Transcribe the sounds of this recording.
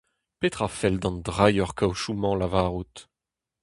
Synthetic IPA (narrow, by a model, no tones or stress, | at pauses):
pet̪χafɛld̪ɑ̃nd̪ʁajœʁkʰawʃumɑ̃lavaːʁut̪